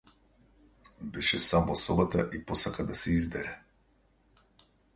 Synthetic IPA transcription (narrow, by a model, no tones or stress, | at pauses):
bɛʃɛsamɔsɔbat̪aʔipɔsakad̪asɛizd̪ɛɾɛ